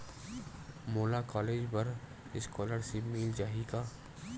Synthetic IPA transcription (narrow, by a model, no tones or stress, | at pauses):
moːlakɔːleːd͡ʒbɐɾ | ɪskɔːləɾsemiːld͡ʒaːɦikaː